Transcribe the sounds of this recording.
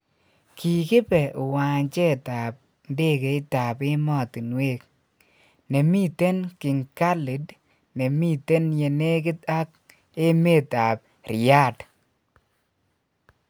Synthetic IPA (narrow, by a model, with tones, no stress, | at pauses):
ki˨kɪ˦pɛ˨o˨wa˨ɲt͡ʃe˦˨ta˨p̚ | nde˦ke˨˦ɪ˦ta˨pɪ˦mɔ˦˨ti˨nwe˦k̚ | ne˨mi˦te˦nkɪ˨ŋka˦lɪ˨d | ne˨mi˦te˦nje˨ne˦k̬ɪ˦ta˦k̚ | e˦me˦ta˨p̚ | ɾja˦˨t